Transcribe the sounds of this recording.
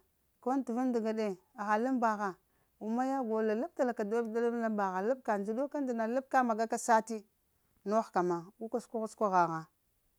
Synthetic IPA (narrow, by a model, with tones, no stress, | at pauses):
ko˦n˦tu˨vu˦nda˨ɡa˨de˦˨ | a˨ɣa˨la˦mba˨ɣa˨ | u˨ma˦ja˦ɡo˨la˨la˦b̚ta˨la˨ka˨do˦da˦la˦la˦mba˨ɣa˨la˦b̚ka˨nd͡ʒi˨do˦ka˦n˦di˨na˨la˦b̚ka˦ma˨ɡa˦ka˦sa˦ti˦ | no˦xka˨ma˨u˦ka˦skʷa˦ɣa˦skʷa˦ɣa˨ɣa˨